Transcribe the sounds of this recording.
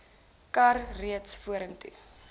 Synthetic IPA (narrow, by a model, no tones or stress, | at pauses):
kɐrriətsfuəɾəŋtṵ